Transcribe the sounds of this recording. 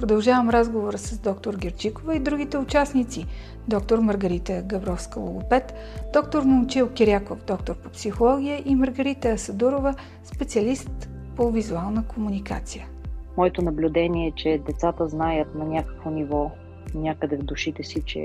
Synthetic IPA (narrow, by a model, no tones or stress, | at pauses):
pɾod̪ɐlˠʒavəmɾazɡovoɾəsəzd̪ɔkt̪oɾɡʲɛɾt͡ʃikovəid̪ɾuɡʲit̪ɛʊt͡ʃasnit̪si | d̪ɔk̚t̪oɾməɾɡɐɾit̪əɡɐbɾɔfskəlˠo̰ɡopɛt̪ | d̪ɔkt̪oɾmot͡ʃilˠkʲiɾʲakofd̪ɔk̚t̪oɾpopsixolˠɔɡʲijəʔiməɾɡɐɾit̪əːsɐd̪uɾovə | spɛt̪siəlist̪ | povizualˠnəkomunika̰t̪sijə | mɔɛt̪onɐblʲʊd̪ɛnʲiɛt͡ʃɛd̪ɛt̪sat̪əznajət̪nɐnʲakə̥kvonivɔ | nʲjakəd̪ɛvd̪ʊʃit̪ɛsit͡ʃɛ̰